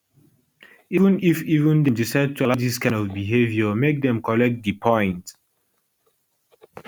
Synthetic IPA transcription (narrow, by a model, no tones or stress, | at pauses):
ivə̃nifivə̃ndɛ̃disɛd̚tʰualad͡ʒiskãnɔvbiɦevjəmek̚dɛ̃mkʰɔlɛk̚t̚dipʰɔ̃ɪ̃nt